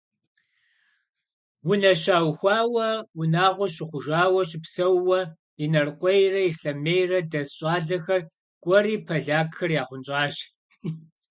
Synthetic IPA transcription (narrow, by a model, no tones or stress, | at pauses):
wʊnɐɕaːwxʷɑːwɐwʊnaːʁʷɔɕɪχʷʊʒaːwɐɕɪpsɐwːɐ | ɪnɐrqʷʼɔjrɐjɪɬɐmeːjrɐdɐsɕʼaːɮɐxɐr | kʷʼɔriːpʰɐɮaːkxɐrjaːχʷʊnt͡ʃʼɑːʒ